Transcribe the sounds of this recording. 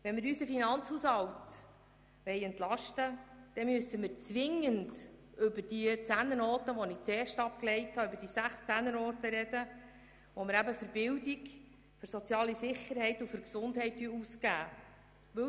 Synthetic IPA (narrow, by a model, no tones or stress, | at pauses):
ʋɛnmɪɾysəfinɑnt͡shuːshɑwt | ʋɛɪɛntlɑʃtəd̥ɛmøsəmɪːɾt͡sʋɪŋənd | ʏbərd̥it͡sænːənɔːtəʋɔnɪt͡sɛːrʃtɑp̚klɛɪthɑʏbəɾdiːəsæχst͡sænːənɔːtəɾɛd̥ə | ʋɔmɪɾæbəfəɾbɪwdik | fʏɾsɔt͡sjɑːlisɪχːəɾhɛɪtufʏɾksʊndɦɛɪtːyuskæː | ʋɵ